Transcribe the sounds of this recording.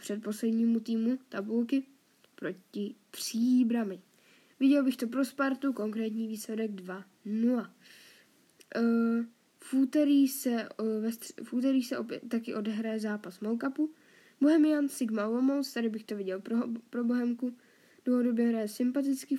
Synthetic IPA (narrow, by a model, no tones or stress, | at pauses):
pr̥ɛt̪̚po̞slɛdɲiːmut̪iːmut̪abulkɪ | pɾo̞cɪpr̥iːbɾamɪ | vɪɟɛlbɪxt̪o̞pɾo̞spaɾt̪uko̞ŋkɾɛːt̪ɲiːviːslɛdɛɡdva | nula | fʔuːt̪ɛɾiːsɛvɛfʔuːt̪̬ɛɾiːxsɛʔopɛtt̪ːakɪʔo̞dɛɦɾajɛzaːpasmowkapu | bo̞ɦɛmɪjansɪɡmaomowst̪adɪbɪxt̪o̞vɪɟɛlpɾobo̞ɦɛmku | d̥loɦodo̞bjɛɦɾajɛsɪmpat̪̬ɪt͡skɪ